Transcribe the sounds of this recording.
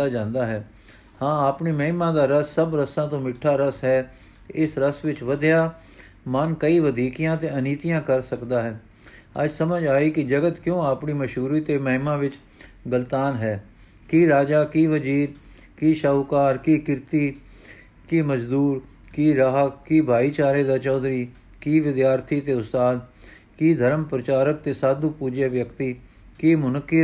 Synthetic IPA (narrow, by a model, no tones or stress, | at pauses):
aːd͡ʒãːnd̪aːɦɛː | hãːaːpniːməɦɪmãːd̪aːɾəsːəbɾəsãːt̪õːmɪʈʰːaːɾəsɦɛː | ɪsɾəsʋɪt͡ʃʋəd̪jaː | mənkəiːʋəd̪iːkɪjãːt̪eːəniːt̪ɪijãːkəɾsəkd̪aːɦɛː | ə̰d͡ʒsəməd͡ʒaːiːkɪd͡ʒəɡət̪kjõːaːpɳiːməʃɦuːɾiːt̪eːməɦɪmãːʋɪt͡ʃ | ɡəlt̪aːnɦɛː | kiːɾaːd͡ʒaːkiːʋəd͡ʒiːɾ | kiːʃəukaːɾkiːkɪɾt̪iː | kiːməd͡ʒd̪uːɾ | kiːɾaːɦəkkːiːbʱaːiːt͡ʃaːɾeːd̪aːt͡ʃɔːd̪ɾiː | kiːʋɪd̪jaːɾt̪ʰiːt̪eːʊst̪aːd̪ | kiːd̪ʱəɾəmpɾət͡ʃaːɾək̚t̪eːsaːd̪ũːpuːd͡ʒeːʋjəkt̪iː | kiːmʊnəkːɪ